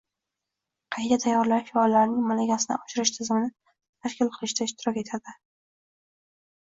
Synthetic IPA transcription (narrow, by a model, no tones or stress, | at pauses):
qʰɑjt̪ʰat̪ʰajːɒɾlaɾfɪɒlːaɾnɪŋmalaɡʲasɪnɪ̰ʔɒʃɪɾɪʃt̪ʰɪzɪmɪnɪ | t̪ʰaʃkʲɪlqʰɨlˠɪʃtd̪aɪʃt̪ɪɾɒkʲe̞t̪ʰad̪ɪ